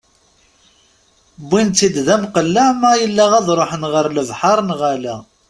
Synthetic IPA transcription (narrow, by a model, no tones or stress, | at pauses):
bːint̪ːid̪ðæmqəlːæmæjəlːæʁæðˤɾˤoħənʁəɾləvħɑɾˤnʁælæ